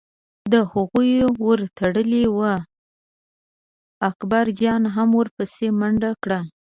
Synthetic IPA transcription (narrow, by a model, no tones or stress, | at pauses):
d̪əhaɣujwəɾt̪ʰaɽəliwa | akbaɾd͡ʒɑnɦamwəɾpəsemaɳɖakɽa